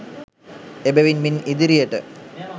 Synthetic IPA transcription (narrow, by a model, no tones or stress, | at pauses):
ebeʋinminid̪iɾijəʈə̰